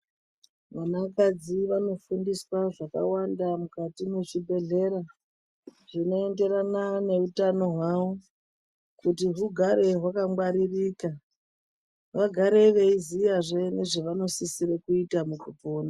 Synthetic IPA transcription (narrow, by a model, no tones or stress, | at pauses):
ʋanakad͡ziʋano̞fundiswaʐaka̰wandamukatime̞ʐibʱe̞ɮe̞ɾa | ʐ̥ino̞e̞nde̞ɾanane̞utano̞ɦwawo | kutiɦuɡʱaɾe̞ɦwakaŋɡwaɾiriːka | ʋaɡʱaɾe̞ʋe̞izijaʐene̞ʐeʋano̞sisiɾekuitamukupoːna